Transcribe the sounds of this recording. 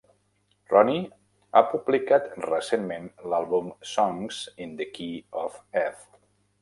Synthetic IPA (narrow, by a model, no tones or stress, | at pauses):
rɔni | a̰publikat̪rəsenmẽnlalˠβumsɔŋzind̪əkiɔfɛθ